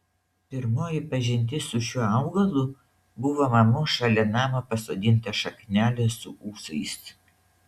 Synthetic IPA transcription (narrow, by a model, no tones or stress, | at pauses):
pʲɪɾmoːjɪpɐʒʲɪnʲt̪ʲɪsʊʃʲuːɑˑʊɡɐlˠʊ | bʊʋoːmɐmoːʃɐlʲɛnɑːmɐpɐsoːd̪ʲɪnʲt̪ɐʃɐknʲæːlʲɛsʊʔuːsɐɪs